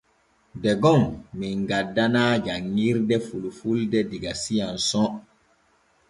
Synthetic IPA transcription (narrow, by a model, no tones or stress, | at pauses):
dɛɡɔmːiŋɡadːanaːd͡ʒaŋːiɾdɛfulufuldɛdiɡasijansɔ̃